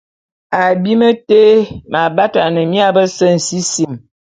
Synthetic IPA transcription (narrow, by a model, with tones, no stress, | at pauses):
a˨bi˦mə˦te˦ma˨ba˦ta˨nə˨mi˦a˦bə˦sə˦n̩˨si˦si˨m